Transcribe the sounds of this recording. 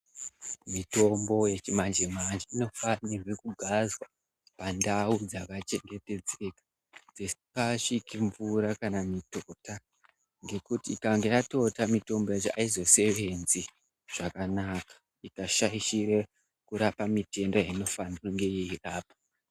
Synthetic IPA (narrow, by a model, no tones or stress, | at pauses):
mito̞mbo̞je̞t͡ʃimand͡ʒimand͡ʒiino̞fanirwekuɡʱazwa | pandaud͡zakat͡ʃe̞ŋɡe̞te̞d͡ze̞kḁ | d͡zespaʂikiɱvuɾakanamitota | ŋɡe̞kutiːkaŋɡe̞jato̞tamito̞mbo̞jet͡ʃoaizo̞se̞ʋe̞nzi | ʐ̥akanakḁ | ikaʃaiʃire | kuɾapamite̞ndojaino̞faniruŋɡe̞jeiraːpo̥